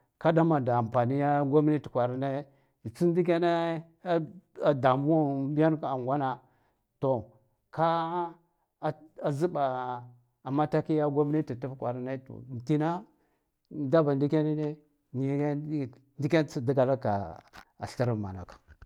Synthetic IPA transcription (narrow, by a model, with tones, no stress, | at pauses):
ka˦da˦ma˨da˨a˨m˨pa˨ni˦ja˦ɡo˦m˦ni˦ti̥˨kʷa˨ɾi˦ne˦˨ | t͡si˦n˦di˦k̬ʲa˦na˦ | a˨da˨mu˦o˦ba˦n˦ka˨ŋɡʷa˦na˨ | to˨ | ka˦˨ | a˨zi˦ba˨ | a˨mːa˦ta˦ki˦ja˦ɡo˦m˦ni˦ti˨tu˦fkʷa˨ɾi˦na˦to̰˨n˨ti˦na˦ | da˦ba˨ndi˦kʲa˦ni˦ne˦ | ni˦˨˦ | ndi˦kʲa˦nt͡si˦di˦ɡa˨la˦ka̰˨a̰˨ɬi˦ɾi˦˨ma̰˨na̰˨kḁ˨